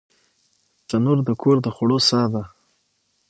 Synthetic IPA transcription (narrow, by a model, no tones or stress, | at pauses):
zanuɾd̪əkʰoɾd̪əxaɽosɑd̪a